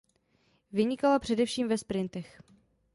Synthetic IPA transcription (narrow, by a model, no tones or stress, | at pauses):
vɪɲɪkalapr̝̥ɛdɛfʃiːmvɛspɾɪnt̪ɛx